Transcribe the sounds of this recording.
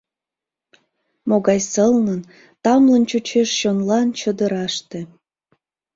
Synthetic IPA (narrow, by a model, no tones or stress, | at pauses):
moɣɑjsəlnən | t̪ɑmlənt͡ɕut͡ɕeʃʃonlɑnt͡ɕəd̪əɾɑʃt̪e